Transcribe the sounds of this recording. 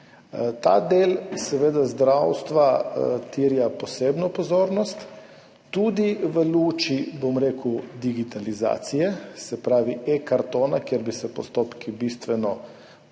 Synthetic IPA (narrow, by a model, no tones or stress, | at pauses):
t̪a̰d̪eːlsɛʋeːd̪azd̪ɾawst̪ʋat̪iɾjapɔseːbnɔpɔzoːɾnɔst̪ː | ud̪iʋəluːt͡ʃibomɾeːkwd̪iɡit̪aliza̰ːt̪sijɛsɛpɾaːʋiekaɾt̪oːnakjeɾbisɛpɔst̪oːpkibist̪ʋɛnɔ